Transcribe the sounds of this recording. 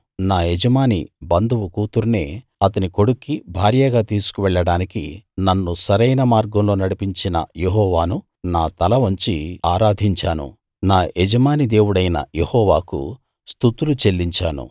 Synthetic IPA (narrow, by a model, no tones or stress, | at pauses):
naːed͡ʒɐmaːnḭbɐnd̪ʱuʋukuːt̪uɾneː | ɐt̪ɐniko̞ɽukːibʱaːɾjɐɡaːt̪iːsu̥kuʋɛɭːɐɽaːnikḭnɐnːusɐɾɐjnɐmaːɾɡɐmlo̞ːnɐɽipiɲt͡ʃinɐ̰jeɦɔːʋaːnu | naːt̪ɐlɐʋɐɲt͡ʃiaːɾaːd̪ʱiɲt͡ʃaːnṵ | naːʔed͡ʒɐmaːnid̪e̞ːwuɽɐjnɐ̰jehɔːʋa̰ːkṵ | st̪ut̪ulut͡ʃe̞lːiɲt͡ʃaːnṵ